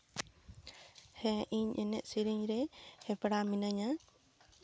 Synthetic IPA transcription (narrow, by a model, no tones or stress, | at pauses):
hɛ̃ʔiɲʔɛnɛʔsiɾiɲɾɛhɛpɽaminəɲa